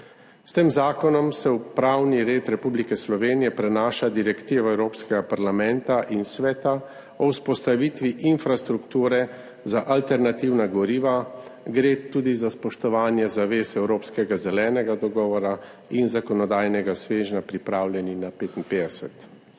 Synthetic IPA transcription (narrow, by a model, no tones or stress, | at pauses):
st̪eːmzaːkɔnɔmsɛupɾawniɾeːt̪ɾɛpublikɛslɔʋeːnijɛpɾɛnaːʃad̪iɾɛkt̪iːʋɔɛwɾoːpskɛɡapaɾlamɛnt̪aʔinsʋɛːt̪a | ɔuspɔst̪aʋiːt̪ʋiʔinfɾast̪ɾukt̪uːɾɛ | zaʔalt̪ɛɾnat̪iwnaɡɔɾiːʋaɡɾet̪uːd̪izaspɔʃt̪ɔʋaːnjɛzaʋeːsɛwɾoːpskɛɡazɛlɛːnɛɡad̪ɔɡɔːʋɔɾa | inzakɔnɔd̪aːjnɛɡasʋeːʒnapɾipɾaːwlʲjɛninapeːt̪inpeːd̪ɛsɛt̪